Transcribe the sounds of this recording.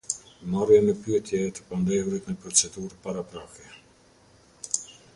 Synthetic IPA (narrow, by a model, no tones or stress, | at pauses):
marjɛnəpyɛt̪jɛt̪ə̥pand̪ɛvɾit̪nəpɾɔt͡sɛd̪uɾpaɾapɾakɛ